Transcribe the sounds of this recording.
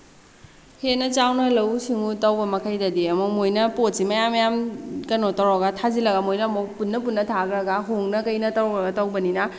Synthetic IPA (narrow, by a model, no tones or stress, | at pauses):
henɐt͡ʃawnɐlɐwsiŋutɐwbɐmɐkʰajdɐdiɐmumojnɐpot̚simɐjamjamkɐnotɐwɾaɡɐtʰazilɐɡɐmojnɐmopunːɐp̬unːɐtʰaɡɾɐɡɐɦoŋnɐkɐjnɐtɐwɾɔɾɐɡɐtɐwbɐninɐ